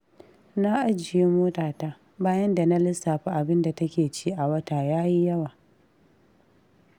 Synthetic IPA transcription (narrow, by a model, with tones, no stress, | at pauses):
na˦ʔa˦d͡ʒɪ˨ji˦moː˦taː˨taː˦ | baː˦jɐ˦nda˨na˦lɪ˦sːaː˨ɸa˦ʔa˨bɪ˦nda˨tɐ˦kʲeː˨t͡ʃiː˦ʔa˨wɐ˦taː˨jaː˦ji˦jɐ˦waː˨